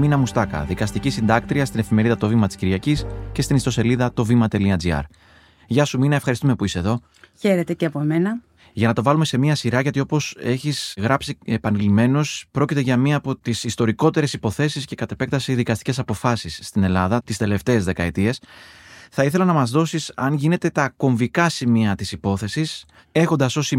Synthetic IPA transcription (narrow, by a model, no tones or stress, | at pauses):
minɐmust̪ɐkɐ̰ðikɐst̪icisind̪ɐk̚t̪ɾiɐst̪ine̞fime̞ɾiðɐt̪o̞vimɐt̪i̥sciɾʝɐcisce̞st̪inist̪o̞se̞liðɐt̪o̞vimɐt̪e̞liɐd͡ziɐ̰ɾ | ʝɐsuminɐefxɐɾist̪ume̞puiseðo̞ | çe̞ɾet̪e̞ceɐpoemenɐ | ʝɐnɐt̪o̞vɐlume̞se̞miɐsiɾɐʝɐt̪io̞po̞se̞çizɣɾɐpsiepɐnilime̞no̞spɾo̞cit̪e̞ʝɐmiɐːpo̞t̪isist̪o̞ɾiko̞t̪e̞ɾe̞sipo̞θe̞sisce̞kɐt̪e̞pe̞k̚t̪ɐsiðikɐst̪i̥ce̞sɐpo̞fɐsisːt̪ine̞lɐðɐt̪ist̪e̞le̞ft̪e̞ːzðe̞kɐet̪ie̞s | θɐiθe̞lɐnɐmɐzðo̞sisɐnʝine̞t̪e̞t̪ɐko̞ɱvikɐsimiɐt̪isipo̞θe̞sis | e̞xo̞nd̪ɐso̞si